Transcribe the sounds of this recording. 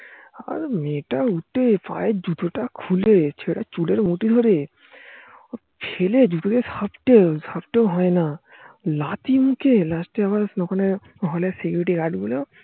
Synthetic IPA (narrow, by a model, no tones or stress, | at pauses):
a̰ɾmeːʈauʈepa̰ːed͡ʒut̪ʰoʈakʰulet͡ʃʰeːɽat͡ʃuleɾmuʈid̪ʱoɾe | ɔːɾ | pʰeːled͡ʒut̪okesɐpʈeəpʈeɦɔena | laːt̪imũkʰelaːsʈiaʋasnɔkʰone | ɦɔlesekjuɾiʈiɡaːɖbolo